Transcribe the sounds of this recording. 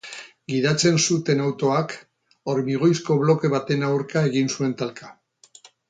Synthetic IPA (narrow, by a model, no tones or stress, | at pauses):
ɡiðat͡se̞nsut̪e̞nawt̪o̞ak | oɾmiɣ̞o̞jsko̞βlo̞ke̞βat̪e̞nawɾkae̞ɣinsue̞nt̪alka